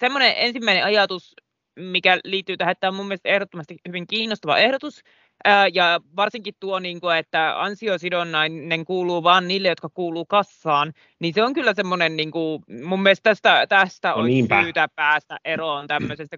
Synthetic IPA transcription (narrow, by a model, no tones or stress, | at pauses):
semːoneʔensimːæinḛ̃ɑjɑt̪us | mikæliːt̪ːyːt̪æhet̪ːæomumːielst̪ehɾot̪ːomɑst̪ihyʋiŋkiːnːost̪ɑʋɑ̰ʔehɾot̪us | əjɑʋɑrsiŋkit̪t̪uoniːŋkuet̪ːæɑ̰nsiosidonːɑinneŋkuːluːʋɑːnniːlːejot̪kɑkuːluːkɑsːɑːn | ninseoŋkylːæsemːonenniːŋkumumːielest̪æst̪æt̪æst̪æo̰inpyːt̪æpæːst̪æʔʔeront̪æmːøsest̪æ